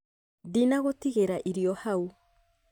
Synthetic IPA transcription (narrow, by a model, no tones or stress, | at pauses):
dinaɣɔtiɣɛɾaʔiɾiɔhau